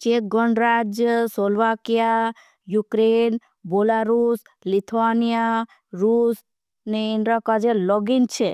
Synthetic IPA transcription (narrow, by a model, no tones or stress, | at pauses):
t͡ʃet̪̚ɡɔɳɖɾad͡ʒjəsɔlʋakija | jukɾen | bolaɾus | lit̪ʰʋanija | ɾus | neinɾakad͡ʒelɔɡint͡ʃʰe